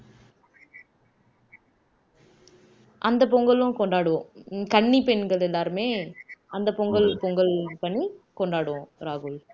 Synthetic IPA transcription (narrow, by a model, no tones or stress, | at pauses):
ʔɐnd̪ɐp̬ɔŋɡɐɭʊ̃kɔɳɖaːɽɯʋõkɐɳːipɛnɡɐɭɛlːaːɾɯmeːɐnd̪ɐpɔŋɡɐɭpɔŋɡɐɭpɐɳːikɔɳɖaːɽɯʋõɾaːɣuːj